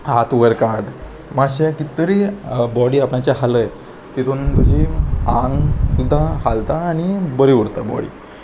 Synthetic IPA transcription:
ɦat̪uʋəɾkaɾɖ | maɕekit̪ːəɾibɔɽiːapɳat͡ɕjaɦaləj | t̪it̪ʰunt̪ud͡ʑʱiãŋɡsud̪ʱːahalt̪aːñibəɾiuɽt̪abɔ̰ɽḭː

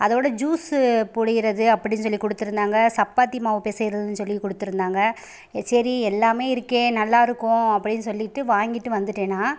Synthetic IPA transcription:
ʔɐðoːɽɐd͡ʒuːspʊɽɪɣɪɾɐðɯɐpːɐɽɪnːɯs̬ɔlːikɔɽɯt̪ːɯɾɯnd̪aːŋɡɐsɐpːaːt̪ːimaːʋɯpeːsɐɣɪɾɐðɯnːɯsɔlːikɔɽɯt̪ːɯɾɯnd̪aːŋɡɐ | sɐɾiɛlːaːmeːɪɾɯkːẽːnɐlːaːɪɾɯkːʊ̃ɐpːɐɽɪnːɯsɔlːɪʈːɯʋaːŋɡɪʈːɯʋɐnd̪ɯʈːeːnːaː

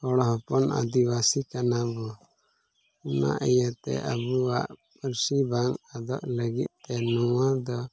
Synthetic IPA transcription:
ɔɽɔɦɔpɔna̰d̪iβasikanabɔ | una̰ʔɛjat̪ɛ̰ʔəbuwaʔpəɾsibaŋad̪ɔʔləɡit̪̚t̪ɛnɔwad̪ɔ

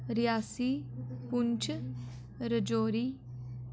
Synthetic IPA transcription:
ɾɪjaːsiːpʊɲt͡ʃʰ | ɾəd͡ʒoːɾiː

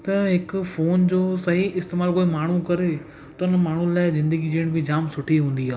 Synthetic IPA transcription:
t̪ɐɦɪkʊfoːnd͡ʑoːsɐɦiɪst̪eːmaːlkoːimaːɳ̤ukɐɾe | t̪ɐnəmaːɳ̤ulaːɪzɪ̃nd̪əɡid͡ʑeːɽ̃bʱɪd͡ʑaːmsʊʈʰiɦũːn̆d̪iaː

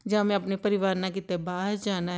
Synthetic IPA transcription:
d͡ʒamẽɐpnepəɾɪʋaːɾnãk̬ɪt̪ɛbaːd͡ʒaːnaɦ

